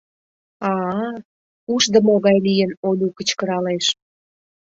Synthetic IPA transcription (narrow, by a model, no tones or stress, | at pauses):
ɑ | uʃd̪əmoɣɑjlijənonʲukət͡ɕkəɾɑleʃ